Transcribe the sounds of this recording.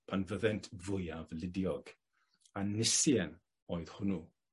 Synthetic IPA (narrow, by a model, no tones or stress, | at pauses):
pʰanvəðɛntʰvʊjavlɪdjɔɡ̥ | anɪsjɛn | oːɨð̥hʊnu